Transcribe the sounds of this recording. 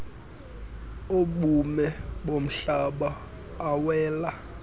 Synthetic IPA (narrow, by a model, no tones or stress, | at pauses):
oɓumɛɓom̩ɬaɓaː | wɛːla